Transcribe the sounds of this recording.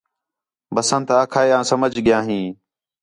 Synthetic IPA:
bəsə̃nt̪aːkʰaːeːãːsəməd͡ʒɠɪjãːɦĩː

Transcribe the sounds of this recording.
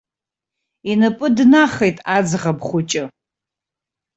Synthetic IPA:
inɨpʼɨdnaχejtʼad͡zʁabχʷʊt͡ʃʼɪ

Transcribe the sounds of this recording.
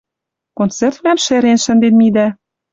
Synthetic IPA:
kont͡sert̪̚mæmʃĕɾenʃə̆nd̪enmid̪æ

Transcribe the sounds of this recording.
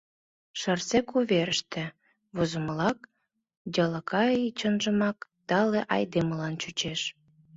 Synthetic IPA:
ʃərt͡sekuβeɾəʃt̪ĕ | βozə̆məlɑk | dʲɑləkɑit͡ɕənʒə̆mɑkt̪ɑleʔɑjd̪eməlɑnt͡ɕut͡ɕeʃ

